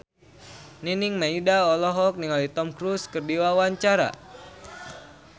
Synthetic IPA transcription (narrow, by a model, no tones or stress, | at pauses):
niniŋmaidaɔlɔɦɔk̚niŋalit̪ɔmkɾuskərdiwawaɲt͡ʃaɾa̰